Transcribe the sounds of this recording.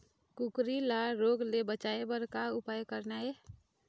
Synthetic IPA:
kukɾilaɾoɡlebət͡ʃaebəɾkaupajkəɾnae

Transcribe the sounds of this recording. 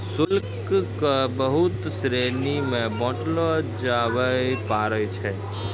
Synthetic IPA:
sʊlk | kːəbəɦut̪sɾenimẽbɔ̃ʈlɔd͡ʒaʋəjpaɾət͡ʃʰɛ

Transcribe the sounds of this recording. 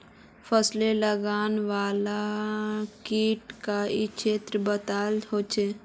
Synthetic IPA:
pʰəsleləɡaːnʋaːla | kiːʈkait͡ʃʰeːt̪ɾəbət̪aːlɦot͡ʃʰeː

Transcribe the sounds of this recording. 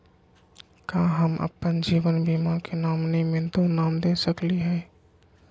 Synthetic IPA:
kaɦəmə̰pːənd͡ʒiːʋənbimakenaːmnimẽd̪onaːmd̪esəkliɦɛː

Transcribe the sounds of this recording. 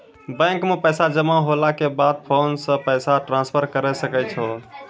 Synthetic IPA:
bɛ̃ŋkmẽpəjsad͡ʒəmaɦolakebad̪̚pʰonsə̃pəjsaʈɾãspʰəɾkəɾɛsəkɛt͡ʃʰɔ

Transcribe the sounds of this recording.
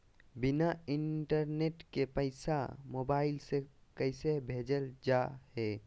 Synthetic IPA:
binaiɳʈəɾneʈkepəɪsa̰mobaɪlsekəɪsebʱed͡ʒəld͡ʒaɦe

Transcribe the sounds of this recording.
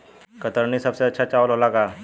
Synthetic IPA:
kət̪əɾɳiːsəpseətːɕʰat͡ɕaʋəlɦolaka

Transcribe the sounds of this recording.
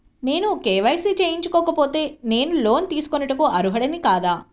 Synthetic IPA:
ne̞ːnukeːʋɐjsit͡ʃeːjiɲt͡ʃukɔːkɐpo̞ːt̪e̞ːne̞ːnulo̞ːnt̪iːsu̥konɐʈɐkoʔɐɾuɦɐɽɐnikaːd̪aː

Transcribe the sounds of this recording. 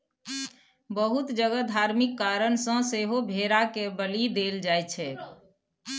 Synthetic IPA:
bəɦut̪d͡ʒəɡəd̪ʱaɾmikːaɾənsə̃seɦobʱeɾakebəlid̪eld͡ʒajt͡ʃʰɛ

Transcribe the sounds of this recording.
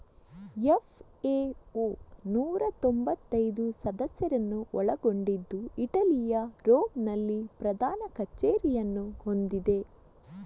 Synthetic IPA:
efeonuːɾɐt̪ombɐt̪ːɐjd̪usɐd̪ɐsjɐɾɐnːuʔɔɭɐɡo̞ɳɖid̪ːuiʈɐlijɐɾoːmnɐlːipɾɐd̪ʱaːnɐkɐt͡ʃːeːɾijɐnːuho̞nd̪id̪e̞

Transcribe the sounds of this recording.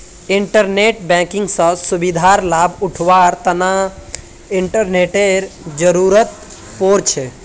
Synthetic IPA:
ɪɳʈəɾneʈbɛ̃kɪ̃ŋɡsə̃subid̪ʱaɾlabʊʈʰʋaɾt̪əna | ɪɳʈəɾneʈeɾd͡ʒəɾuɾət̪̚ | poːɾt͡ʃʰe

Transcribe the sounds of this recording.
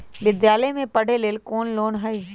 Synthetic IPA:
ʋɪd̪jaːləjmẽpɐɽ̤eleːlkoːnloːnɦɐi

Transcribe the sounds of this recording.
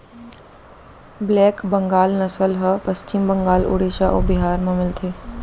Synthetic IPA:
blɛkbəŋɡalnəsəlɦəpəst͡ɕimbəŋɡaːlṵɽeɕaʔo̰biɦaɾməmɪlt̪ʰe

